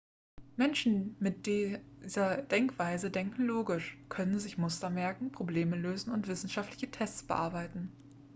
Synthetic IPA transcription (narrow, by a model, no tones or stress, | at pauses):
mɛnʃn̩mɪt̚d̥izɐd̥ɛŋkv̥aɪzədɛŋkŋ̩loːɡɪʃkʰœnənzɪçmʊstɐmɛɐkŋ̩pʁ̥obleːməløːzn̩ʊntv̥ɪsn̩ʃaftlɪçətʰɛstt͡sb̥əʔa̰ɐbaɪtn̩